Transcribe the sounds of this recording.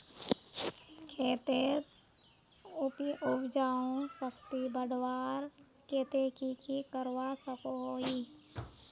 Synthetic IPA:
kʰeːt̪e | ʊpiʔʊbd͡ʒaːõsəkt̪ibəɽwaːɾ | keːt̪ekikikəɾwasəkoɦoːi

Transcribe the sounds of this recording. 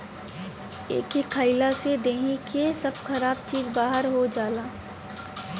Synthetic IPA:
ḛːkekʰaːɪlased̪eːɦikʰesɐb̚kɐɾaːb̚t͡ʃiːzbaːɦəɾɦod͡ʒaːlaː

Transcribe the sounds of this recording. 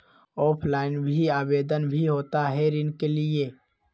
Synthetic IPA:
ɔːpʰlaːɪnbʱiaːbeːd̪ənbʱiɦoːt̪aɦɛɾɪnkelɪe

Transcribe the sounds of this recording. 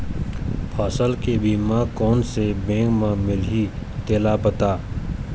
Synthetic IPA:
pʰaːsəlkebiːmãkɔːnsebẽːŋkmãmɪlit̪eːlapət̪aː

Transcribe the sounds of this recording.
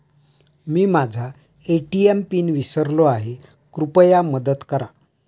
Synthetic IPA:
miːmad͡zʱa | eʈiempiːnʋisəɾloaɦe | kɾupəjaməd̪ət̪kəɾa

